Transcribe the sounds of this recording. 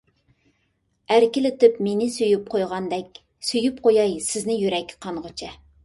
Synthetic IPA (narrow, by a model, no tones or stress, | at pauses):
æɾkʲilɪt̪ɪpmenɪsøjyp̚qʰojʁɑnd̪ɛkʲ | søjypqʰojɑjsɪznɪjyɾɛkʲqʰɑɴʁət͡ʃʰɛ